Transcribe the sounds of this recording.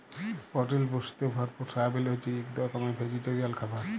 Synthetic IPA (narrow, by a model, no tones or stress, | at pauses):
pɔʈelboʃi̥t̪ebʱaɾpuɾsabelet͡ʃiekd̪ɔkɔmebʱed͡ʑiʈeɾialkʰabaɾ